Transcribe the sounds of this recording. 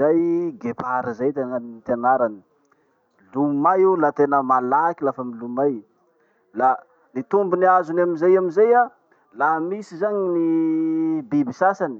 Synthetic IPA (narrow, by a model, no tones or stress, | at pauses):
zajɡepaɾizajt̪enaniit̪eanaɾani̥ | lumajulat̪enəmalakilafəmilumaj | la | nit̪umbuniazunamizajamizaja | laɦmisizaɲini | bibisasani̥